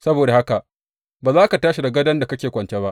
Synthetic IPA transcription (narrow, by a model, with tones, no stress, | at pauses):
sɐ˦boː˨da˨ha˦ka˨ʔ | baː˨zaː˦ka˨taː˦ʃi˨da˨ɡɐ˦dɐ˦nda˨kɐ˦kʲeː˨kʷɐ˨nt͡ʃe˦ba˦ʔ